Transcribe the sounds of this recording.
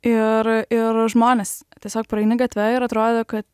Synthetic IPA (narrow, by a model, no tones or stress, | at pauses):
ɪɾɪɾʒmoːnʲɛst̪ʲiɛsʲoːk̚pɾɐɛɪnɪɡɐt̪ʲʋʲɛɪɾɐt̪ɾoːd̪ʲoːkɐt̪